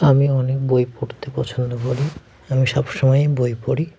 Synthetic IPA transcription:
amiɔnek̚bojpoɽt̪epɔt͡ɕʰond̪opoɽi | amiʃɔbʃɔmɔjbojpoɽi

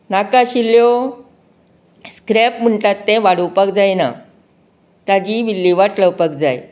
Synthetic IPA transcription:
nakaɕiljo | skɾɛpm̤əɳʈat̪ːẽʋaɽəwpək̚d͡zajna̰ | t̪jad͡ʑiʋilːiʋaʈləwpək̚d͡zaj

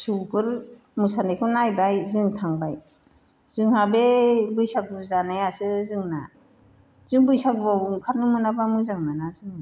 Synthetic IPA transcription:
subʰɯɾ | mɯsanajkʰɯnajbajzɯŋtʰaŋbaj | z̥ɯŋhabebɯjsak̚buzanɯjasɯzɯŋna | z̥ɯŋbɯjsak̚bawŋkʰaɾnɯmɯnabamɯzaŋnanazɯŋ

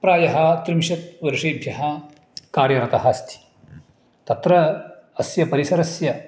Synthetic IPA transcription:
pɾaːjɐɦɐ̆t̪ɾimʃɐt̪̚ʋɐɾʂiːbʱjɐɦɐ | kaːɾjɐɾɐt̪ɐɦɐst̪ʰi̥ | t̪ɐt̪ɾɐɐsjɐpɐɾisɐɾɐsjɐ

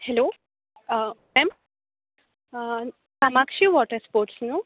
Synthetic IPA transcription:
helo | mɛm | kamakʃiʋɔʈəɾspoːɾʈsnu

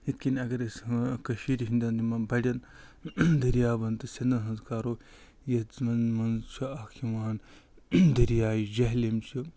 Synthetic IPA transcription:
hit̪kʲinɐɡɐɾiskɐʃiːɾɦĩnd̪ɐnd̪imɐbɐɽʲɐn | d̪ɐɾijaːbɐnt̪ɨsʲɐnd̪ɐnɦɐnzkaːɾoː | jɐzmɐnmɐnt͡ʃʰuakʰiʋaːn | d̪ɐɾjaːjid͡ʒɐɦlimt͡ʃʰi

